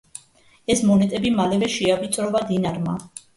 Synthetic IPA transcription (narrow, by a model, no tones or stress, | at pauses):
ɛsmɔnɛt̪ʼɛbimalɛvɛʃiavit̪sʼɾɔvad̪inaɾma̰